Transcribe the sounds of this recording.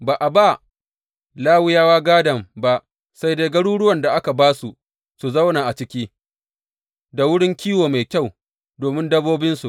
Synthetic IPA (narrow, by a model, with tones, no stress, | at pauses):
baː˨ʔa˨ba˦˨ | laː˦wɪ˦jaː˦waː˦ɡaː˦dɐ˨mba˦ʔ | sa˦jdeː˦ɡɐ˦ɽuː˦ɽʊ˦wɐ˨nda˨ʔa˦ka˨baː˦su˨ | su˨zɐ˦wnaː˨ʔa˨t͡ʃɪ˦kʲiː˦ | da˨wʊ˦ɽɪ˦ŋkʲiː˦woː˨ma˨jkʲa˦˨w | doː˨mɪ˦ndɐ˦boː˦bɪ˦nsṵ˨ʔ